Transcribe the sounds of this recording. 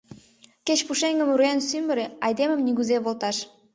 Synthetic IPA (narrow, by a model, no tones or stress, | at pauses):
ket͡ɕpuʃeŋɡə̆muɾjensymə̆ɾeɑjd̪emə̆mniɣuzeβolt̪ɑʃ